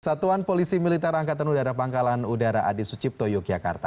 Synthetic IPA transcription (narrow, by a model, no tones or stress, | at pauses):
sat̪uanpolisimilit̪ɛraŋkat̪anudaɾapaŋkalanudaɾaʔa̰disut͡ʃip̚t̪ojɔk̚d͡ʒaka̰rt̪a